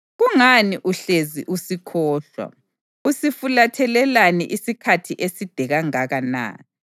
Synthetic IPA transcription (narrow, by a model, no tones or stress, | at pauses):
ɣuŋaniʔuɬeziʔusikʰɔːɬwa̰ | usifulatʰɛlɛlanɛ̰ʔisikʰatʰiʔesid̥ʱɛɣaŋaɣana̰ː